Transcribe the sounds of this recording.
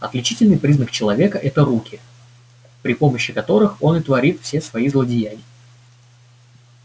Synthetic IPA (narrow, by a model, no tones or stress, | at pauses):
ɐt̪lʲɪt͡ɕitʲɪlʲnɨjpɾʲiznək̚t͡ɕɪlˠɐvʲe̞kəʔɛt̪əɾukʲɪ | pɾʲɪpo̞məɕːɪkɐt̪o̞ɾɨxo̞nɨt̪vɐɾʲit̪fsʲesvɐizlˠədʲɪjæɡʲɪ